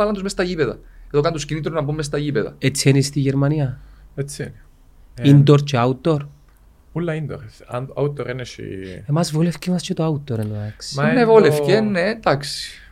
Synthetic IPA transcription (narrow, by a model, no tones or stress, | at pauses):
ɐlɐnd̪uzmest̪ɐʝipeðɐ̰eðokɐnd̪uscinit̪ɾonɐpumːes̬t̪ɐʝipeðɐ̰et͡sːienist̪iʝeɾmɐniɐet͡sːieni | ind̪oɾceɐut̪ːo̞ɾ | ulːɐind̪oɾ̰na̰ut̪ːoɾenesḭe̞mɐzvolefcemɐscet̪oaut̪ːoɾenoeksnevolefcened̪ɐksi̥